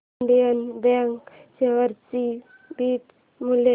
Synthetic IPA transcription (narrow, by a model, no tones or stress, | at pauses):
ɳɖijənbɛŋkseʋəɾt͡si | bit̪ | mule